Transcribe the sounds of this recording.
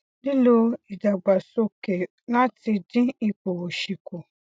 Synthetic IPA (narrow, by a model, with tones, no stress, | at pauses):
ni˦lo˦i˨da˨ɡ͡ba˨so˦ke˨ | nã˦tɪ˨dɪ̃˦i˦k͡po˨wo˨ʃi˨kʰo˨